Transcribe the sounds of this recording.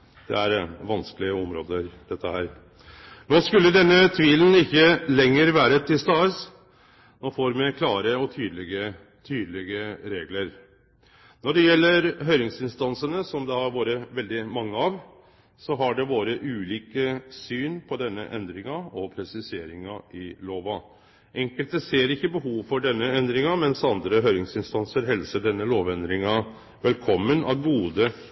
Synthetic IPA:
d̪̥ɛ̰æɾʋɑnskəlɪəɔmɾo̰ːd̪əɾd̪ɛt̪ʰːəhæːɾ | noːskʉlːəd̪ɛnːət̪ʰʋiːlənɪçːəlɛŋːəɾʋæːɾət̪ʰɪlst̪ɑːəs | noːfoːɾmɛkʰlɑːɾəɔt̪ʰyːd̪lɪɡə | t̪ʰyːd̪əlɪɡəɾeːɡləɾ | nɔɖɛjɛlːəɾɦœʏɾɪŋsɪnst̪ɑnsənəsɔmd̪ɛɑɾʋoːɾəʋɛld̪ɪmɑŋːəɑʋ | sɔɦɑɖɛʋoːɾəʔʉːliːkəsyːnpʰɔd̪ɛnːə̰ʔɛnd̪ɾɪŋɑɔpʰɾɛsɪseːɾɪŋɑʔɪloːʋɑ | ʔɛŋkəlt̪əseːɾɪçːəbəɦuːʋfɔɖɛnːəɛnd̪ɾɪŋɑmɛnsɑnd̪ɾəɦœʏɾɪŋsɪnst̪ɑnsəɾɦɛlsəɖɛnːəloːʋɛnd̪ɾɪŋɑ | ʋɛlkʰɔmːənɑ̰ʋɡuːd̪ə

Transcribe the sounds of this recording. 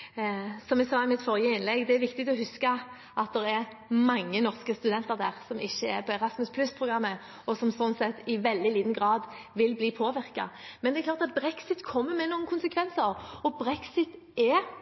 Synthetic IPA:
sɔmʋɛɪsɑːɪmɪt̪ːfɔɾjəɪnlɛɡd̪ɛæɾʋɪkt̪ɪɡt̪ɔhʉskə | ʔɑt̪̚d̪ɛɾɛɾ | mɑŋːənɔʁskəst̪ʉd̪ɛnt̪əʁd̪æːʁsɔmʔɪçːəɛɾpʰɔɛɾɑsmʉspʰlʉspʰʁʊɡɾɑmːə | ɔsɔmsɔnsɛt̪ːɪʋɛld̪ɪliːd̪n̩ɡɾɑːd̪ | ʋɪlbliːpʰoːʋɪʁkɑ̰mɛnd̪ɛɾklɑːʁt̪ɑt̪̚bɾɛksɪt̪kʰɔmːəmɛnuːənkʰʊnsəkʰʋɛnsəɾɔbɾɛksɪt̪ | ɛ

